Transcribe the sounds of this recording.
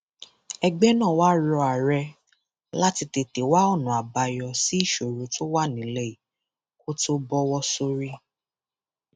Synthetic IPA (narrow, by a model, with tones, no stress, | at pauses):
ɛ˧ɡ͡bɛ˦nãː˦˨wa˦ɾɔ˧a˨ɾɛ˧ | la˦ti˧te˨te˨wa˦ɔ˦˨nũ˨a˨ba˨jɔ˧si˦i˦˨ʃo˨ɾo˨˦to˦wa˦˨nĩ˨˦le˦i˨ | ko˦to˦bɔ˦wɔ˦so˧ɾi˦